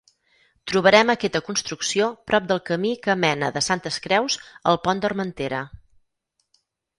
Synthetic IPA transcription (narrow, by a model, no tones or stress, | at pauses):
t̪ɾuβəɾɛməkɛt̪əkunst̪ɾuksiopɾɔp̚d̪əlˠkəmikəmɛnəðəsant̪əskɾɛwzəlˠpɔnd̪ərmənt̪eɾə